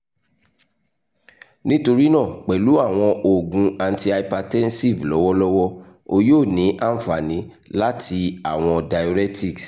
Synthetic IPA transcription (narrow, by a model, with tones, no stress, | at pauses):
nĩ˦to˧ɾi˦nã˦˨k͡pɛ˨lu˨˦a˦˨w̃ɔ̃˧ʔo˨ɡũ˧a˧n˧ti˧a˧ipa˧tɛ˦n̩˦si˦˨vlɔ˨˦wɔ˦lɔ˦wɔ˦ | o˧joː˦˨nĩ˨˦ʔa˦n̩˦fa˨nĩ˨˦ | la˦tʰi˧a˨w̃ɔ̃˧da˨jo˧ɾɛ˦ti˦˨ks